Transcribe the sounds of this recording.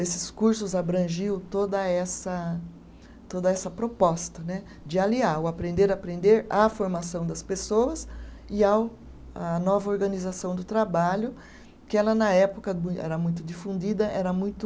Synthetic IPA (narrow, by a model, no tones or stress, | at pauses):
esɪ̥skuɾsʊzabɾɐ̃ʒiwt̪od̪ɐɛsɐ | t̪od̪ɐɛsɐpɾopɔst̪ɐnɛ | d͡ʒɪaliaʊapɾẽnd̪eɾapɾẽnd̪eɾafoɾmasɐ̃w̃d̪ɐspesowɐsɪaw | ɐnɔvɐoɾɡɐ̃nizasɐ̃w̃d̪ʊt̪ɾabaʎʊ | kɪɛlɐnɐɛpʊkɐũɛ̰ɾɐmũj̃t̪ʊd͡ʒifũnd͡ʒid̪ɐʔɛɾɐmũj̃t̪ʊ